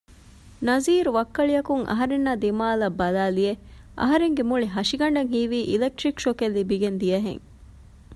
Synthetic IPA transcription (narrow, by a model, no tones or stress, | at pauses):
nɐziːɾuʋɐkːɐɭiɐkuŋʔɐ̰ɦɐɾenːad̪imaːlɐbːɐlaːlie | ʔɐ̰ɦɐɾeŋɡemuɭiɦɐʂiɡɐɳɖɐŋɦiːʋiːʔilek̚ʈɾikʃokelːibiɡend̪ijɐɦḛŋ